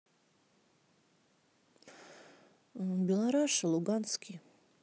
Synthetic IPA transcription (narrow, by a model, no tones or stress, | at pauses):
bilˠaɾaʂaluɡanskʲʰi